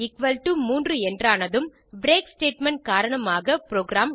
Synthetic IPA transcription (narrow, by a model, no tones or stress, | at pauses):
ɪkʋɐlʈumuːndrɯɛndraːnɐðɯm | bɾeːksʈeːʈmɛɳʈ̚kaːɾɐɳɐmaːɣɐpɾoːɡɾaːm